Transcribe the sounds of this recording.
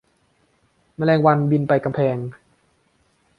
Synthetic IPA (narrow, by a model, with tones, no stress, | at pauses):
ma˧lɛː˧ŋwa˧nbi˧npa˧jka˧mpʰɛː˧ŋ